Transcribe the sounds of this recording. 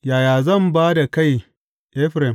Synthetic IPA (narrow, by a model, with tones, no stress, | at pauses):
jaː˨jaː˨zɐ˦˨mbaː˦da˨ka˦˨j | ʔɛ˦ɸɾɛ˨m